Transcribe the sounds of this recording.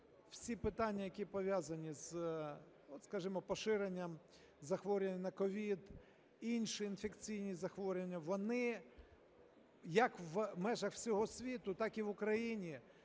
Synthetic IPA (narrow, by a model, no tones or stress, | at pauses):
wsʲipɪt̪ɑnʲːɐjɐkʲipɔʋʲjazɐnʲiz̥ | ɔt̪skɐʒɪmɔpɔʃɪɾenʲːɐm | zɐxʋɔɾʲenʲɐnɐkɔʋʲid̪ | inʲʃiːnfekt͡sʲijnʲizɐxʋɔɾʲenʲːɐʋɔnɪ | jɐkʋmɛʒɐxw̥sʲɔɦɔsʲʋʲit̪ʊt̪ɑkiʋʊkɾɐjinʲi